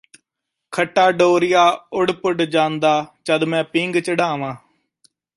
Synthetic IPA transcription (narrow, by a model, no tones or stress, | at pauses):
kʰəʈːaːɖoːɾɪjaːʊɽpʊɖd͡ʒãːnd̪aːt͡ʃəd̪mɛ̃ːpɪŋɡt͡ʃəɖaːʋãː